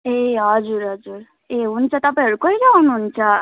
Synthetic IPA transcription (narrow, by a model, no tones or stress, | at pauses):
eɦʌd͡zuɾɦʌd͡zuɾ | eɦunt͡sʰʌt̪ʌpãɦʌɾukɔiɾaɦunuɦunt͡sʰʌ